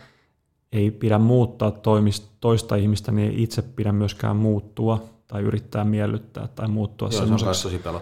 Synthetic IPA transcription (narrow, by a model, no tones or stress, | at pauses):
eipiɾæmmuːt̪ːɑːt̪ːoimist̪o̞ist̪ɑihmist̪æniḛiʔit̪seppiɾæmmyøskæ̰ːmmuːt̪ːuɑt̪ɑiy̰ɾit̪ːæːmmiælːyt̪ːæ̰ːt̪ːɑimuːt̪ːuɑ̰semːosesosipelo